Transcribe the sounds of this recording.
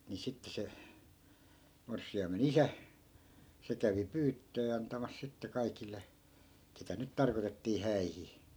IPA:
ni sitːe se morsːiɑimen isæ se kæʋi pyːtːøː ɑntɑmɑs sitːe kɑikilˑe ketæ nyt tɑrkotetːiː hæihi

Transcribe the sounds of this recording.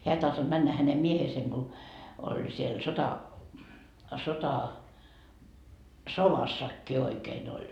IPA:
heæ ei tɑhtod̥ mænːæ hænem mieheːseŋ ɡ̊o olʲ siel sotɑ soʋɑsːɑkːi oikeːn olʲ

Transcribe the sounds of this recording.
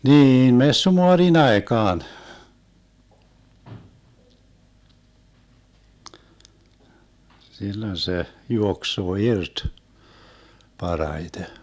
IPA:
niːn mesːumoɑrin ɑekɑːn silːon se juoksoː irt pɑrɑite

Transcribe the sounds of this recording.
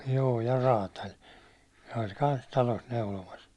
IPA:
joː jɑ rɑːtɑlʲ se olʲ kɑns tɑlos neulomɑs

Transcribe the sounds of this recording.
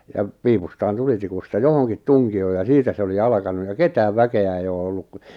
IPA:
jɑp piːpustɑːn tulitikustɑ johoŋkit tuŋkioː jɑ siːtæ se oli ɑlɑ̆kɑnu jɑ ketæːʋ ʋækeæ ei oː olːu ku

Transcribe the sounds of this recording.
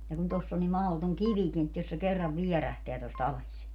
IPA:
jɑ kun tosː o nim mɑhotoŋ kiʋikin et jos se kerːɑʋ ʋiɛræhteæ tostɑ ɑles

